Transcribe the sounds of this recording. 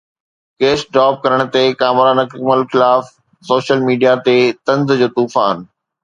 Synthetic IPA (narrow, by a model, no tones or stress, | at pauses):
keːsɖaːb̚kɐɾəɽ̃̆t̪ekaːmɾanɐkməlxɪlaːf | soːʃəlmiːɖijat̪et̪ɐ̃nzd͡ʑoːt̪uːfaːn